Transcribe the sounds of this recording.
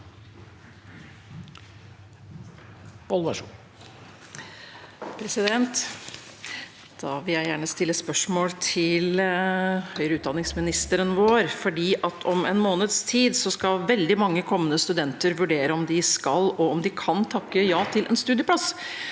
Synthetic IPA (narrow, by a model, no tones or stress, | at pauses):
b̥ɔlʋɑʂ | pʰɾɛsɪd̪ɛnt̪ | d̪̥ɑʋɪljæɪjæːɳəst̪ɪlːəspœʂmoːlt̪ʰɪl | hœʏɾəʉːd̪ɑnɪŋsmɪnɪst̪əɾənʋoːɾfɔɖiːʔɑt̪ʰɔmɛnmoːnəd̪st̪ʰiːd̪sɔskɑlʋɛld̪ɪmɑŋːəkʰɔmːənəst̪ʉd̪ɛnt̪əɾʋʉɖeːɾəɔmd̪ɪskɑlɔɔmd̪ɪkʰɑnt̪ʰɑkːəjɑːt̪ʰɪlʔɛ̰nst̪ʉːd̪ɪjəpʰlɑs